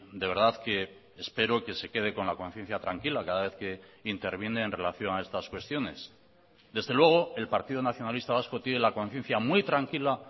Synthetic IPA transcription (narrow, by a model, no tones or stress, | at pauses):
d̪ee̞ɾðaðke̞ː | spe̞ɾo̞ke̞se̞ke̞ð̞e̞ko̞nlako̞n̟θje̞n̟θjat̪ɾaŋkilakaðaβe̞θke̞int̪e̞ɾβ̞je̞neːnre̞laθjo̞nae̞st̪askwe̞st̪jo̞ne̞s | d̪e̞zðelwe̞ɣ̞o̞e̞lpaɾt̪iðonaθjo̞nalist̪aβ̞asko̞t̪jenelako̞n̟θje̞n̟θjamwijt̪ɾaŋkila